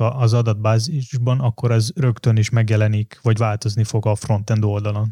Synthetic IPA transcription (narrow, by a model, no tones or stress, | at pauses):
ɒʔːzɒd̪ɒd̪̚baːziʒbɒnɒkːo̞ɾɛzrø̞kt̪ø̞niʃmɛɡjɛlɛnikʋɒɟvaːlt̪o̞znifo̞ɡɒfro̞nt̪ɛnd̪o̞ld̪ɒlon